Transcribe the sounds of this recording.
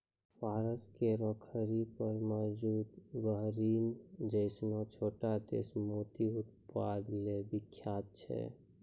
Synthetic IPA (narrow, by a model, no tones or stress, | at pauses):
paːɾəskeɾɔːkʰəɾipəɾmɔd͡ʒuːd̪bəɦɾiːmd͡ʒəɪsnot͡ʃʰoːʈad̪ḛːsmoːt̪iʊt̪̚pad̪lebɪkʰːjaːt̪̚t͡ʃʰɛ̰